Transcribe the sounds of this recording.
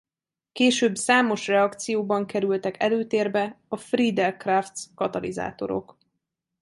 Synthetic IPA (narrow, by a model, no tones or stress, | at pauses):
keːʃøːbsaːmo̞ʃrɛɒkt̪sijoːbɒŋkɛɾylt̪ɛkɛløːt̪eːrbɛɒfrid̪ɛlkraft̪skɒt̪ɒlḭza̰ːt̪o̞̰ɾo̞̰k